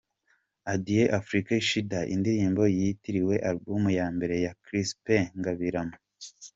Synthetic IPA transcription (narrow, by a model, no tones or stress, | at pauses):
adijeʔafɾikaiʃidaʔḭndiɾiːmbo̞jitiɾiwe̞ʔaɾbumujaːmbe̞ɾe̞jakɾispeŋɡaβiɾamo